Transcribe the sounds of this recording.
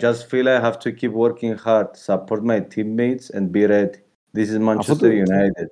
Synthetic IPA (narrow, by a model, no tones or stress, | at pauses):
d͡ʒʌstfilajɦævtʰukʰipwəɾkɪ̃ŋhaɾd̚sapʰɔɾt̚majtʰĩmːeɪtsɛ̰̃nbiɾɛdi | d̪isɪzmãnt͡ʃɛstəjunajtid̚